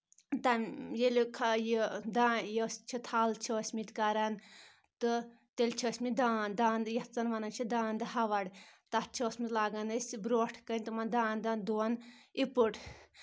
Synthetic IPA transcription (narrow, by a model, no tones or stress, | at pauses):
t̪amjelʲkʰajid̪aːjesʲt͡ʃʰit̪ʰalt͡ʃʰəːsʲmit̪ʲkɐɾɐn | t̪ɨ | t̪elʲt͡ʃʰɐsʲmid̪aːnd̪aːnd̪jɐht͡sɐnʋɐnɐnt͡ʃʰid̪aːnd̪ɨɦaʋɐɽʲt̪at͡ʃʰiosʲmizlaːɡɐnɐsʲbɾoːʈʰkənʲt̪umɐnd̪aːnd̪ɐnd̪unipuʈ